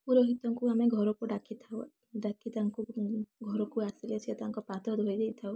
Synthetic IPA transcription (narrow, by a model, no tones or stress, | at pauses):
puɾɔɦit̪ɔŋkuameɡʱɔɾɔkuɖakʰit̪ʰaw | ɖakʰit̪aŋkuɡʱɔɾɔkuasliat͡ʃʰiɔt̪aŋkɔpat̪ʰɔd̪ʱɔjd̪ejt̪ʰaw